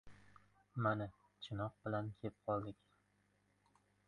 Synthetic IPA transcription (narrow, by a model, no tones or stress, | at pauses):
manɪ | t͡ʃʰɪnɒq̚bɪlankʲʰep̚qʰɒlˠd̪ɪkʲ